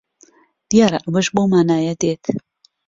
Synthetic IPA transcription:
d̪̥ijaːɾɐʔwəʃbomaːnaːjɐd̪eːt̪ʰ

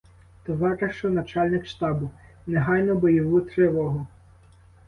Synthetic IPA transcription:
t̪ɔʋɑɾeʃt͡ʃɔnɐt͡ʃɑlʲnɪkʃt̪ɑbʊ | neɦɑjnɔbɔjɔʋut̪ɾɪʋɔɦɔ

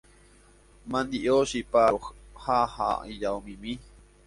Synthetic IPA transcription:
mãnd̪iʔoʃipaohaha̰id͡ʒaomĩmĩ

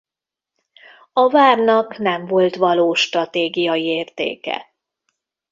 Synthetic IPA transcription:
ɒvaːrnɒknɛɱvo̞lt̪ʋɒloːʃt̪rɒt̪eːɡijɒjieːrt̪ḛːkɛ̰

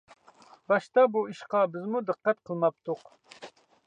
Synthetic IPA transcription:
bɑʃt̪ɑbuiʃqɑbɪzmud̪ɨqːɑt̪̚qʰəlˠmɑp̚t̪ʰuq

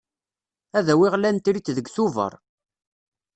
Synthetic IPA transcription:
æðæwɪʁlænt̪ɾit͡sːðəɡθuvə̰ɾˤ

